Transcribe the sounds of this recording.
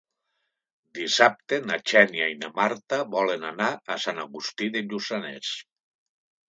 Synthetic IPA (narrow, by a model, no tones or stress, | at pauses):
d̪isap̚t̪enat͡ʃɛnjainamaɾt̪aβɔlenanaasanaɣust̪iðeʎusanḛs